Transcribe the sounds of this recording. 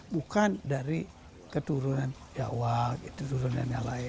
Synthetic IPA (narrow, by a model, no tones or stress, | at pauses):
ɓukandaɾi | kətuɾunan | d͡ʒa̰wakitutuɾuna̰nja̰laj